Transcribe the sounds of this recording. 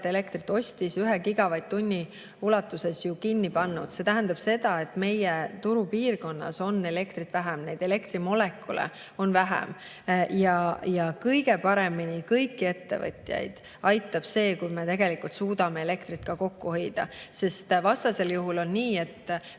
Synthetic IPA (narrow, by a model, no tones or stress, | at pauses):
t̪e̞le̞kt̪rit̪ːˑo̞sʲt̪isyɦekiɡ̥ɑvɑjd̪̚t̪unʲːi | ulɑt̪ːˑuse̞sjukinʲːipɑnːud̪̥se̞t̪æɦænd̪̥ɑb̥se̞d̪̥ɑe̞t̪ːme̞jet̪uɾupiːrko̞nːɑ̰so̞nːe̞le̞kt̪rit̪væɦæmne̞jd̪̥e̞le̞kt̪rimo̞le̞kːˑulḛ | o̞nvæɦæ̰m | jɑjɑkɤjɡe̞pɑɾe̞minikɤjkːie̞t̪ːe̞̰vɤ̰t̪ʲjɑ̰jd̪̥ | ɑjt̪ːˑɑb̥se̞ːkujme̞t̪e̞ɡe̞likult̪suːd̪ɑme̞ele̞kt̪rit̪kɑko̞kːuhɤ̞jd̪̥ɑ̰se̞st̪vɑst̪ɑse̞ljuɦulo̞nniːe̞t̪ː